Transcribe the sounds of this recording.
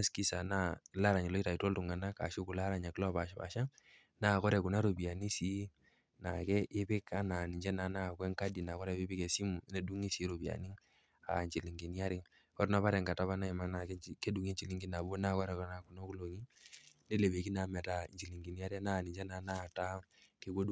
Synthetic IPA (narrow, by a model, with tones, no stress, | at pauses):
a˦ski˦sa˨na˦˨la˦ɾa˨ɲi˨lɔ˦i˦ta˨i˨tɔ˦ltu˨ŋa˨na˦ka̰˨ʃo˦ku˨la˦ɾa˨ɲa˨ki˦lɔ˦˨ba˨ʃpa̰˨ʃa˦ | na˦˨kɔ˦ɾɛ˨ku˨na˦ɾo˨bi˨a˨ni˦si˨˦ | na˨kɛ˦ʔɪ˦pɪ˦ka˦na˨ni˨ɲd͡ʒɛ˦na˨˦na˦˨kwɛ˦ŋka˦di˨na˨kɔ˦ɾɛ˨bɪ˦bɪ˦ke˨si˦mu˨˦ne˨du˦ŋi˦si˦ɾo˨bi˨a̰˨ni˦ŋ | a̰˨ɲt͡ʃi˨li˨ŋɡi˨ni˦a˦ɾɪ˦ | kɔ˦ɾna˦pa˦ɾɛ˨ŋɡa˨ta˦βa˦na˦i˨ma˦na˨kɛ˦ke˦du˨ŋe˦ɲt͡ʃi˨li˦ŋɡi˦na˨bo˦na˦˨kɔ˦ɾɛ˨ka˦na˨ku˨no˦ku˦lo˨ŋi˦ne˦le˨be˨ki˦na˨mɛ˨ta˨nt͡ʃi˨li˨ŋɡi˨ni˦a˦ɾi˦a˦na˦˨ni˨ɲd͡ʒɛ˦na˨˦na˦˨ta˦ke˦ko˦du˦